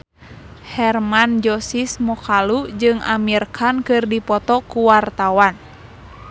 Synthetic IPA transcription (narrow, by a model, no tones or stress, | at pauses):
hɛrmand͡ʒɔsismɔkʰalud͡ʒɨŋa̰mirkʰankɨrdipɔt̪ɔkuwart̪awan